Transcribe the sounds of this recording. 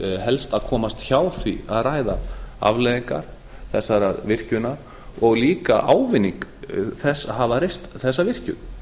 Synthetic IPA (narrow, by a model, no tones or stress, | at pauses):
ɦɛlst̪aðkʰɔːmast̪çaːwθviaðraːjðaa̰vlɛðiŋka̰ɾ̥ | θɛsːaɾavɪr̥cʏnaɾ | ɔɣliːka̰ʔaːwvɪnːiŋkθɛsːaɦavaɾest̪θɛsːavɪr̥cʏ̰